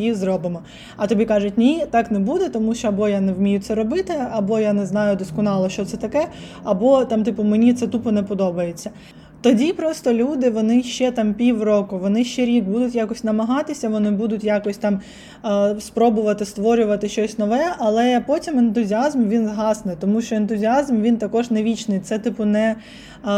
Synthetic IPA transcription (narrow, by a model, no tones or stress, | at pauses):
jizɾɔbɪmɔ | ɐt̪ɔbʲikɑʒʊt̚ʲnʲit̪ɑknɛbud̪ɛt̪ɔmuʃt͡ʃɔɐbɔjanɛwmʲijʊt̪sɛɾɔbɪt̪ɪɐbɔjanɛznɑjʊd̪ɔskɔnɑlˠɔʃt͡ʃɔt̪sɛt̪ɐkɛ | ɐbɔt̪ɑmt̪ɪpʊmenʲit̪sɛt̪upɔnɛpɔd̪ɔbɐjet͡sʲːɐ | t̪ɔdʲipɾɔst̪ɔlʲud̪ɪʋɔnɪʃt͡ʃɛt̪ɑmpʲiwrɔkʊʋɔnɪʃt͡ʃɛɾʲiɡ̚bud̪ʊtʲjakɔsʲnɐmɐɦɑt̪ɪsʲɐʋɔnɪbud̪ʊtʲjakɔsʲt̪ɑm | spɾɔbʊʋɐt̪ɪst̪ʋɔɾʲʊʋɐt̪ɪʃt͡ʃɔsʲnɔʋɛʔɐlˠɛpɔtʲiment̪ʊzʲiɑzmʋʲinzɦɑsnɪt̪ɔmuʃt͡ʃɔent̪ʊzʲiazmʋʲint̪ɐkɔʐneʋʲit͡ʃnɪjt̪sɛt̪ɪpʊnɛ